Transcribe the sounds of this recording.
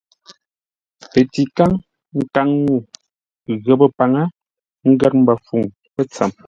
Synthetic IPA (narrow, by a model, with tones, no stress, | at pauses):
pe˨ti˨ka˦ŋ | ŋ̩˨ka˨˦ŋnu˦˨ | ɣə˨bə˦pa˨ŋa˦ | ŋ̩˦ɡa˦t̚m̩˦ba˨fu˨ŋ | pɛ˦t͡sa˨m